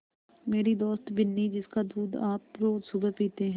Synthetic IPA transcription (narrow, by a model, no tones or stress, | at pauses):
meːɾiːd̪oːst̪bɪnːiːd͡ʒɪskaːd̪uːd̪aːpːɾoːsubəpiːt̪eɦɛ̃